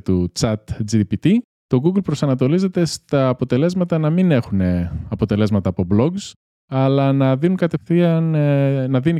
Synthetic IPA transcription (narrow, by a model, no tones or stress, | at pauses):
t̪ut͡sɐt̪d͡zipit̪i | t̪o̞ɡuɡlpɾo̞sɐnɐt̪o̞lize̞t̪e̞st̪ɐːpot̪e̞le̞zmɐt̪ɐnɐmine̞xune̞ɐpo̞t̪e̞le̞zmɐt̪ɐːpo̞blo̞ɡs | ɐlɐnɐðinuŋkɐt̪e̞fθiɐnnɐðini